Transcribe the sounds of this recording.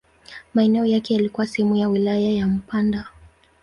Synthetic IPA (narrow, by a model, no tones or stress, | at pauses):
maɛnɛɔjakɛjalikuwashɛmujawilajajam̩panda